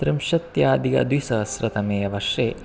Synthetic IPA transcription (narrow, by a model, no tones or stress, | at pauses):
t̪ɾɪmʃɐt̪jaːd̪iɡɐ̰d̪ʋisɐsɾɐt̪ɐmeːjɐʋɐʃeː